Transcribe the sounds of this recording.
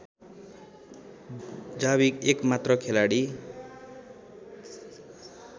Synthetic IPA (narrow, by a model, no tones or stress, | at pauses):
d͡zaβikekmat̪rʌkʰelaɽi